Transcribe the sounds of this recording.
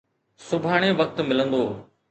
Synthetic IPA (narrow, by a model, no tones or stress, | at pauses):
sʊbʱaːɽ̃eʋək̚t̪mɪlə̃nd̪oː